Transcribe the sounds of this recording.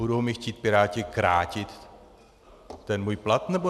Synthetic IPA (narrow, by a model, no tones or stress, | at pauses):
uduɦomɪxciːt̪̚pɪɾaːcɪkɾa̰ːcɪt̪ | ɛnmuːjplat̪nɛbo